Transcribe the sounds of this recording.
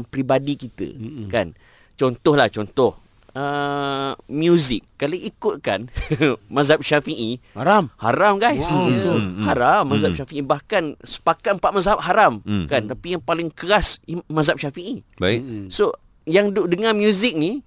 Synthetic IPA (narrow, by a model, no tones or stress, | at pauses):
ŋpɾibadikit̪ə̰kan | t͡ʃɔnt̪ɔhlaht͡ʃɔnt̪ɔh | ə | mjuzɪkːalaikʊt̪̚kanmãzap̚ʃafiʔihaɾamha̰ɾamɡajs | haɾamːazaʃafiʔibahkansə̥pakat̪mpat̪̚mazap̚ɦaɾamkant̪apijaŋpalɪŋkəɾasimazap̚ʃafiʔibaso | jaŋdʊʔdəŋãmjuzɪk̚ni